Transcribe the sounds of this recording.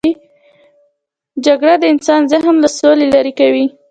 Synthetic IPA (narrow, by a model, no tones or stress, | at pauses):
i | d͡ʒaɡɽad̪əɪnsɑnzaɦmlasolelaɾikawi